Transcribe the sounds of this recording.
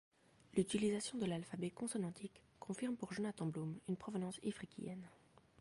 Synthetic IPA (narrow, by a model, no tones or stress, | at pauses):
lyt̪ilizasjɔ̃d̪əlalfabɛkɔ̃sɔnɑ̃t̪ʰikːɔ̃fiʁmpuʁʒonat̪ɑ̃blomynpχɔvənɑ̃sifχikʲḭɛ̰n